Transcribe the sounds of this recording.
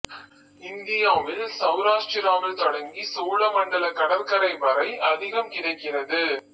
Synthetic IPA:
ɪnd̪ɪjaːʋɪlsɐʋɾaːʂʈɪɾaːmɪlt̪ɔɽɐŋɡisoːlɐmɐɳɖɐlɐkɐɽɐlkɐɾɐɪʋɐɾɐɪʔɐðɪɣɐmkɪɽɐɪkːɪrɐðɯ

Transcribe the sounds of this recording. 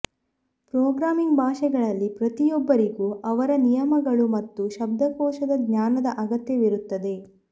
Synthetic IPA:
pɾɔːɡɾaːmiŋɡbʱaːʃɛɡɐɭɐlːipɾɐt̪ijɔbːɐɾiɡuːʔɐʋɐɾɐnijɐmɐɡɐɭumɐt̪ːuʃɐb̚d̪ʱɐkɔːʃɐd̪ɐɡɲaːnɐd̪ɐʔɐɡɐt̪jɐʋiɾut̪ːɐd̪e̞

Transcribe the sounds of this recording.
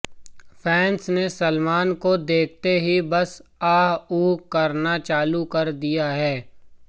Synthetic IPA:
fʰɛːnsnesəlmaːnkod̪eːk̚ʰt̪eɦibɐsaːɦuːkːɐɾnat͡ʃaːlukɐɾd̪ijaɦɛː

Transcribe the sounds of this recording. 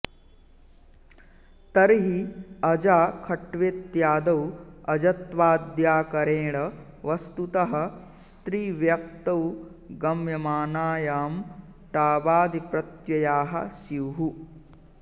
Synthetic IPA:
t̪ɐɾiɦiɐd͡ʒaːkʰɐʈʋeːt̪jaːd̪ɐwɐd͡ʒɐt̪ʋaːd̪jaːkɐɾeːɽɐ | ʋɐst̪ut̪ɐɦɐ̆st̪ɾiːʋjɐk̚t̪ɐw | ɡɐmjɐmaːnaːjaːm | ʈaːbaːd̪ipɾɐt̪jɐjaːɦɐ̰siwɦu

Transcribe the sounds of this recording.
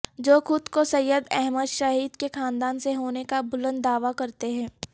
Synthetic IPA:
d͡ʒoːxʊd̪kosɐjəd̪ɛɦməd̪ʃaɦiːd̪kexaːnd̪aːnseɦoːnekabʊlə̃nd̪ːaːʋakɐɾt̪eɦɛ̃ː

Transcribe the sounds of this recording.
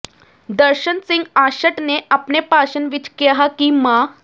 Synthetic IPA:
d̪əɾɕənsiŋɡaɕəʈneʔapnepaɕənʋit͡ɕkeɦakima

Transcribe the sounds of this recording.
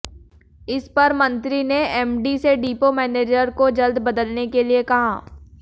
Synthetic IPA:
ɪspɐɾmɐ̃nt̪ɾineɛːmɖiseɖiːpomɛːneːd͡ʒəɾkod͡ʒɐld̪bɐd̪əlnekeliekɐɦa̰ː

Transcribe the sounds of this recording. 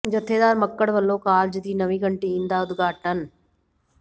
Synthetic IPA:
d͡ʒət̪ʰːeːd̪aːɾməkːəɽʋəlːoːkaːld͡ʒɪd̪iːnəʋĩːɡəɳʈiːĩːnd̪aːʊd̪ɡaːʈən

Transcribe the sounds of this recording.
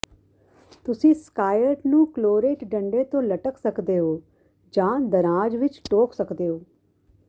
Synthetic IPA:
t̪ʊsĩːskaːjəɾʈnũːkloːɾeːʈɖəɳɖeːt̪õːləʈəksəkd̪eːɦoː | d͡ʒãːd̪əɾãːd͡ʒʋɪt͡ʃʈoːksəkd̪eːɦoː

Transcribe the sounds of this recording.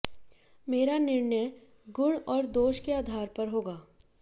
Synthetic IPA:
meːɾanɪɾɳəj | ɡʊɽ̃ɔːɾd̪oːʃkeaːd̪ʱaːɾpɐɾɦoːɡaː

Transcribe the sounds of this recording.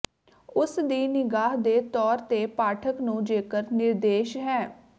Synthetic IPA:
ʊsd̪iːnɪɡaːɦd̪eːt̪ɔːɾt̪eːpaːʈʰəknũːd͡ʒeːkəɾnɪɾd̪eːʃɦɛː

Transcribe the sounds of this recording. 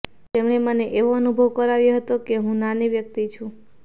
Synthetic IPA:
t̪emɳeməneʔeʋoənubʱəʋkəɾaʋjeɦət̪okeɦũnaniʋjəkt̪it͡ʃʰũ

